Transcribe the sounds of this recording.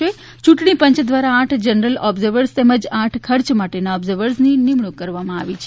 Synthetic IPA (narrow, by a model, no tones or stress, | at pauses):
e | t͡ʃũʈɳ̃ipə̃ɲt͡ʃd̪ʋaɾaːʈʰd͡ʒənəɾəlɔbzəɾʋəɾst̪eməd͡ʒaʈʰkʰəɾt͡ʃmaʈenaɔbzəɾʋəɾsninimɳukːəɾʋamãaʋit͡ʃʰ